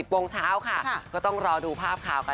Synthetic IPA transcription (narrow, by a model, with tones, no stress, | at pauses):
i˨˩p̚wo˧ŋt͡ɕʰaː˦˥wkʰa˥˩kɔː˥˩t̪ɔ˥˩ŋɾɔː˧duː˧pʰaː˥˩p̚kʰaː˨˩wkʰa˥˩